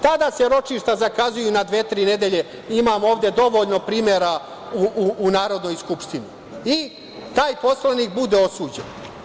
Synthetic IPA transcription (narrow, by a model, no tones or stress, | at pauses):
t̪ad̪aːseɾo̞t͡ʃiʃt̪azakazujunad̪ʋet̪ɾiːned̪e̞ʎe̞ | imaːmo̞ːʋvd̪e̞d̪o̞ʋo̞ːʎno̞pɾiːmjeɾa | uuːnaːɾo̞d̪nojskupʃt̪ini | i | t̪aːjpo̞slaniːkbud̪e̞osuːd͡ʑḛn